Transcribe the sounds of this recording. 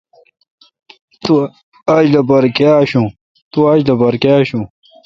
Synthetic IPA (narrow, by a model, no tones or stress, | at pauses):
t̪u | ɐd͡ʑlɐbɐɾkaːɕũ | t̪uad͡ʑlɐbɐɾkaːɕũ